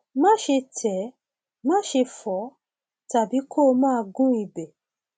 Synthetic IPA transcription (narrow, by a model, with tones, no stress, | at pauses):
mã˦ʃe˧tʰɛ˨˦ | mã˦ʃe˧fɔ˨˦ | ta˨bi˨˦kʰo˦˨˧mãː˦˧ɡũ˦i˨bɛ˨